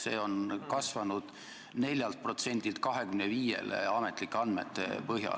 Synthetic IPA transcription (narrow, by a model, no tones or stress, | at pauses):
se̞ːo̞nkɑsvɑnud̪̥ | ne̞lʲjɑlt̪̚pro̞t̪se̞nʲd̪ilt̪̚kɑɦe̞kymneviːje̞̰lḛɑme̞t̪ˑlikːeɑnd̪met̪ːˑḛpɤɦjɑ̰